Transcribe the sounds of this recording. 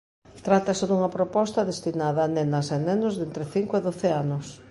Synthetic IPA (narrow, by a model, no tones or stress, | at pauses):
t̪ɾat̪ɐseðuŋɐpɾopɔst̪ɐðest̪inaðɐːnenɐsenɛnʊzðent̪ɾɪθiŋkoeðoθeanʊs